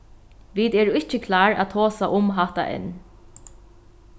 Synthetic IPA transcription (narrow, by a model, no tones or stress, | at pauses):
ʋid̪ɛːɾʊɪt͡ʃəkʰlaːɹa̰t̪ʰoːsaʔʊmɦaht̪a̰ʔɛ̰n